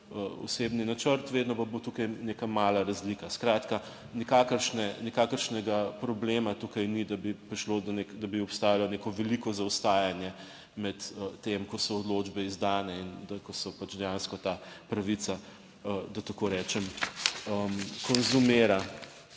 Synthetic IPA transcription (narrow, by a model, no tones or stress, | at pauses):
əɔ̰sebninat͡ʃəɾt̪ʋeːd̪nɔpɐbot̪ukajneːkamaːlaɾɐzlikaskɾaːt̪ka | nikakəɾʃnɛnikakəɾʃnɛɡapɾɔbleːmat̪ukajnid̪abipɾiʃlod̪ɔnekd̪ɐbiɔpst̪aːjalɔnekɔʋɛlikɔzawst̪aːjanjɛ | mɛt̪əːemkɔsɔɔd̪lod͡ʒbɛizd̪aːnɛind̪akɔsɔpat͡ʃd̪ɛjanskɔt̪aːpɾɐʋit͡s̪sa | əd̪ɐt̪ɐkoɾɛːt͡ʃɛməmkonzumeːɾa